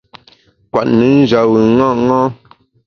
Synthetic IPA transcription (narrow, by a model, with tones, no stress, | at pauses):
kwa̰˨ʔnə˨˦n̩˦d͡ʒa˨wə˨ŋa˦˨ŋɔ̃˦